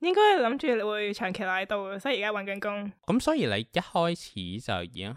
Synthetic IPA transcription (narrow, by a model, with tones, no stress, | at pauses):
jɪ˥ŋkɔː˥jhɐ˨˩lɐ˨˥mt͡ʃyː˨le˨˧˥wuː˨˧jt͡ʃʰœː˨˩ŋkʰe˨˩laː˨˥jt̪o˨wɛː˧sɔː˨˥˨kaː˥wɐ˨nkɐ˨˧nkʊ˥ŋkɐ˨˥msɔː˨˥jiː˨˧lḛ˨˧jjɐ˥t̚hɔː˥jt͡sʰḭː˨˥t͡sɐ̰˨˩wjiː˨˩ŋ